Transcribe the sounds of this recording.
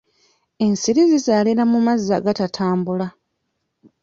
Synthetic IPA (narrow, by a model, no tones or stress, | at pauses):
e̞nsiɾizizaːliɾamumazːaɡatatʰaːmbula